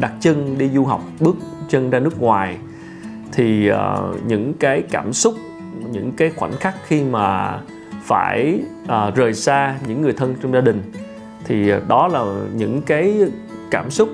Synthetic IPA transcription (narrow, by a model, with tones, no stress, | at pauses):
ɗa˨˩k̚t͡ɕə˧nɗi˧zu˧ɦa˨˩wk͡p̚ɓɨ˦˥ək̚t͡ɕə˧nzaː˧nɨ˦˥ək̚ŋwaː˨˩j | t̪ʰi˨˩ə̰ː˨˩ɲɨ̰˧˥ŋkaː˨˦jkaː˧˩msʊ˦˥k͡p̚ | ɲɨ̰˧˥ŋkaː˨˦jxwa̰˧˩nxa˦˥k̚xi˧maː˨˩ | fa̰ː˧˩jʔəː˨˩zəː˨˩jsaː˧ɲɨ̰˧˥ŋːɨ˨˩əjt̪ʰə˧nt͡ɕɔ˧wŋ͡mzaː˧ɗï˨˩ŋ̟ | t̪ʰi˨˩ɗɔ˨˦laː˨˩ɲɨ̰˧˥ŋkaː˨˦jkaː˧˩msʊ˦˥k͡p̚